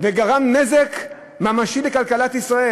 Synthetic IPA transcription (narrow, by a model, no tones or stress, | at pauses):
veɡaʁamnezek | mamaʃilekalkalat̪isʁae